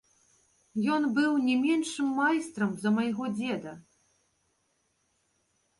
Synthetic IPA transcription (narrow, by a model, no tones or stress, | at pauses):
jɔnbɨwnʲɛmʲɛnʂɨmːajst̪ɾɐmzɐmɐjɣɔd͡zʲɛd̪ɐ